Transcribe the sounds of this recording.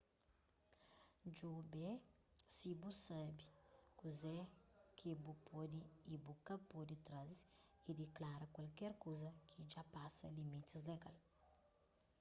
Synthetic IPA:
d͡ʒobɛ | sibusabikuzɛkʰibupʰɔd̪iibukɐpod̪it̪ɾazid̪eklaɾɐkwalkɛɾkozɐkʰid͡ʒapasɐlimit̪izleɡal

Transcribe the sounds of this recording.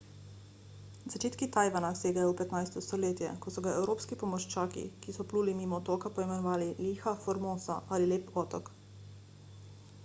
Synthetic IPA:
zat͡ʃeːt̪kit̪aːjʋanaseːɡajɔupɛt̪najst̪ɔst̪ɔleːt̪jɛ̰kɔsɔɡaɛwɾoːpskipɔmɔʃt͡ʃaːkḭkisɔpluːlimiːmɔt̪ɔːkapɔimɛnɔʋaːliliːxafɔɾmoːsaʔalileːpɔːt̪ɔk

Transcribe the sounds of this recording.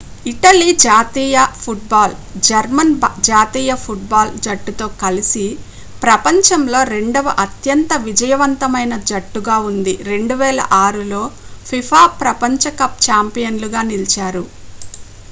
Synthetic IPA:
iʈɐlid͡ʒaːt̪iːjɐpʰuʈ̚baːld͡ʒɐɾmɐnd͡ʒaːt̪iːjɐpʰuʈ̚baːld͡ʒɐʈːut̪o̞ːkɐlisi | pɾɐpɐɲt͡ʃɐmlo̞ːɾe̞ɳɖɐʋɐʔɐt̪jɐnt̪ɐʋid͡ʒɐjɐʋɐnt̪ɐmɐjnɐd͡ʒɐʈːuɡaːund̪iɾe̞ɳɖuʋɛːlɐ̰ʔaːɾulo̞ːpʰipʰaːpɾɐpɐɲt͡ʃɐkɐp̚t͡ʃaːmpijɐnluɡaːnilt͡ʃaːɾu

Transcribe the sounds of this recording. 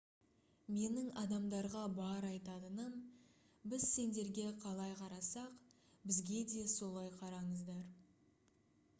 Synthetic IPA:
me̞nɪŋɑd̪ɑmd̪ɑɾʁɑbɑɾɑjt̪ɑd̪ənən | bɪzse̞nd̪e̞ɾɡʲe̞qʰɑlˠɑjqʰɑɾɑsɑq | bɪzɡʲe̞d̪e̞so̞lˠɑjqʰɑɾɑɴəzd̪ɑɾ

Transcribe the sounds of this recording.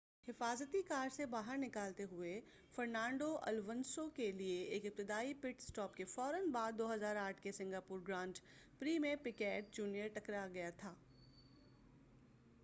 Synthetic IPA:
hɪfaːzət̪ikaːɾsebaːɦəɾnɪkaːlt̪eɦʊe | fɐɾnãːɳɖoʔɐ̰lʋənsokelieeːkɪp̚t̪ɪd̪aːipɪʈsʈɔːpkefɔːɾənbaːd̪̚ːoːɦɐzaːɾaːʈʰkesɪ̃ŋɡaːpʊːɾɡɾãːnʈ | pɾiːmẽpɪkɛːʈ̚d͡ʒuːnijəɾʈɐkɾaɡɐjat̪ʰaː

